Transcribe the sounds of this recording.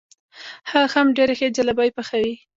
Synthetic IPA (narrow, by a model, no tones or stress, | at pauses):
haxamɖeɾexed͡ʒalabɑjpaxawi